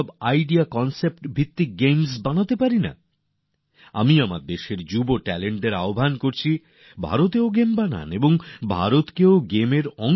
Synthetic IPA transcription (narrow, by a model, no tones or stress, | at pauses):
bajɖiakɔnsep̚ʈbʱit̪ːik̚ɡejmsbanat̪epaɾina̰ | a̰miama̰ɾd̪eʃeɾd͡ʑuboʈɛleɳʈɖeɾaobʱankoɾt͡ɕʰi | bʱa̰ɾot̪̬eoɡembana̰neboŋbʱa̰ɾot̪keoɡemeɾɔŋ